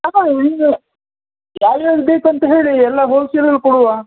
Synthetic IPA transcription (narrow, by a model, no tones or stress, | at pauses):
aai | aːjaːɡbeːkuɐnt̪ɐɦe̞ːɭiɛlːɐɦoːselɐlkɔɽuʋaː